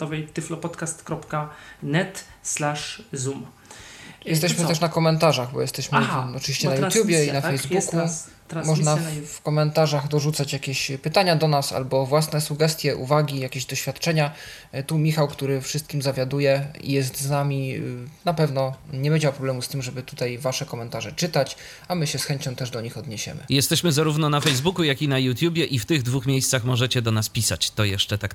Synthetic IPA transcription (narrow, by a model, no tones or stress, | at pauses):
t̪ɔvɛjt̪ɘflɔpɔt̪kast̪kɾɔpkanɛt̪slaʂzum | jɛst̪ɛɕmɘt̪ɛʂnakɔmɛnt̪aʐaɣbɔ̰jɛst̪ɛɕmɘɔtɨviɕt͡ɕɛnajut̪jubʲjɛinafɛjzbuku | mɔʐnafkɔmɛnt̪aʐaɣd̪ɔʐut̪sat͡ɕjakʲeɕpɘt̪aɲad̪ɔnasa̰lbɔvwasnɛsuɡɛst̪ʲjɛʔṵvaɡʲijakʲeʑd̪ɔɕfʲjat̪t͡ʂɛɲa | t̪umʲixawkt̪uɾɘfʂɨst̪̚kʲimzavʲjad̪ujɛḭjɛs̬t̪znamʲinapɛvnɔɲɛbɛd͡ʑawpɾɔblɛmust̪ɘmʐɛbɘt̪ut̪ajvaʂɛkɔmɛnt̪aʐɛt͡ʂɘt̪at͡ɕ | amɘɕɛsxɛɲt͡ɕɔ̃w̃t̪ɛʐd̪ɔɲixɔd̪ɲɛɕɛ̰mɘ̰jɛst̪ɛɕmɘzaɾuvnɔnafɛjzbukujakʲinajut̪ʲjubʲjɛʔift̪ɘɣd̪vuxmʲjejst̪saxmɔʐɛt͡ɕɛd̪ɔnaspʲisat͡ɕt̪ɔjɛʂt͡ʂɛt̪ak